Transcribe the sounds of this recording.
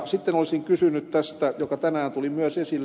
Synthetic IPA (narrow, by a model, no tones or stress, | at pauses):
sit̪ːenolisiŋkysynytt̪t̪æst̪æjokɑt̪ænæːnt̪ulimyøsesilː